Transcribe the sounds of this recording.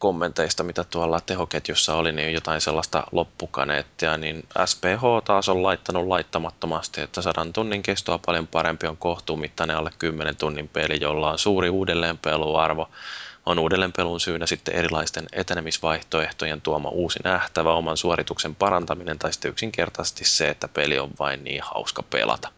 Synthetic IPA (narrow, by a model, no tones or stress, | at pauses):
komːent̪eist̪ɑmit̪æt̪uɑlːɑt̪ehoket̪josːɑoliniːjjot̪ɑinselːɑst̪ɑ̰lopːukɑ̰nḛːt̪ːiɑninæ̰speːɦoːt̪ɑːsollɑit̪ːɑnullɑit̪ːɑmɑt̪ːomɑst̪iet̪ːæsɑdont̪unːiŋkest̪oɑpɑljompɑɾempioŋkoht̪uːmit̪ːɑneolːekkymːenent̪unːimpelijolːɑonsuːɾiuːdelːeːmpeluɑ̰rʋoonuːdelːeːmpelunsyːnːæsit̪ːḛʔeɾilɑist̪enḛt̪enemisʋɑiht̪oeht̪ojent̪uomɑ̰ʔuːsinæht̪æʋæomɑnsuorit̪uksempɑɾɑnt̪ɑminent̪ɑisi̥t̪ːeyksiŋkert̪ɑse̥st̪isseet̪ːæpelḭo̰ʋʋɑinnḭːhɑ̰uskɑpḛlɑ̰t̪ɑ̥